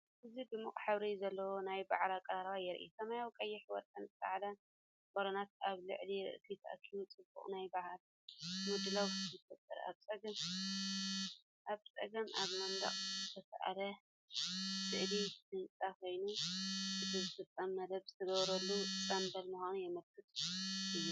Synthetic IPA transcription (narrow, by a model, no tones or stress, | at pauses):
ʔɨzibɨmɨχʼħɨβɾizɐlːɐwonajbaʕlakʼɐɾaɾβajɛɾʔḭsɐmajawkʼɐjːɪħwɔt̪ʼɐnt̪a̰ʕalɐ | boɾonat̪̚aβlɨ̰ʕliɾɨ̰ʔɨk̪ʰit̪ʰɐ̰ʔɐ̰kʰːimut͡sʼɨbṵχʼnajbahal | mud̪ɨlawzɨfɐt̪ʼːɨɾa̰βt͡sʼɐɡɐm | ʔaβt͡sʼɐɡɐmʔa̰βmɐnd̪a̰χʼzɨt̪ʰɐsʔa̰lɐ | sɨʕlisɨnt͡sʼakʰo̞jnuɨzʰɨzɨfɨt̪ʼːɐmːɐd̪ɐβzɨt̪ʰɐɡɐβɾɐlːusʼanbɐlmuxanujɛmɐlkʰɨt̪ʼʔɨjːu